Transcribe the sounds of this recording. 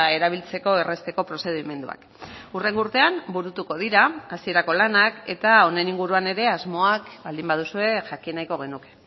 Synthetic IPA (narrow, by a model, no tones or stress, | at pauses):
e̞ɾaβ̞ilt͡se̞ko̞e̞re̞st̪e̞ko̞pɾo̞se̞ðime̞nd̪ua̰k | ure̞ŋɡuɾt̪e̞ambuɾut̪uko̞ð̞iɾaːsie̞ɾako̞lanake̞t̪ao̞ne̞niŋɡuɾuane̞ɾe̞azmo̞akbald̪imbað̞usue̞ʝakinajko̞ɣ̞e̞nuke